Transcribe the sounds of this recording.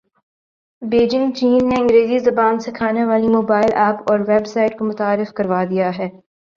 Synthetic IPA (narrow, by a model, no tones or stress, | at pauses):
beːd͡ʒɪ̃ŋɡt͡ʃiːnːeɐ̃ŋɡɾeːzizɐbaːnsekʰaːneʋaːlimoːbaːɪlʔɛːpɔːɾʋɛbsaːɪʈkomʊt̪aːɾɪfkɐɾʋaːd̪ijaɦɛː